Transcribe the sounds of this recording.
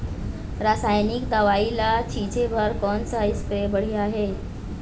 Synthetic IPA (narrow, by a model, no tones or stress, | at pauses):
ɾasajnikd̪aʋailat͡ɕʰit͡ɕebʱəɾkɔnsaispɾebəɽ̤iːaɦe